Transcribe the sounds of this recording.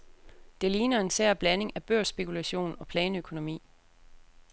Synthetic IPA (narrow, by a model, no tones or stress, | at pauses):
d̥e̝liːnɐe̝nsæɐ̰b̥læne̝ŋæb̥øɐ̰sb̥e̝kʰulæɕo̝̰ːnɒ̽pʰlɛːnəøkʰo̝no̝mḭː